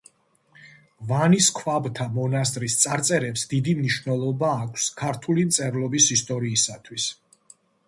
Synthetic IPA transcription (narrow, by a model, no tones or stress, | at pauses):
vaniskʰwabt̪ʰamɔnast̪ʼɾist̪sʼaɾt̪sʼɛɾɛpsd̪id̪imniʃwnɛlˠɔbaːkʷʰskʰaɾt̪ʰulimt̪sʼɛɾlˠɔbisist̪ʼɔɾiːsat̪ʰwis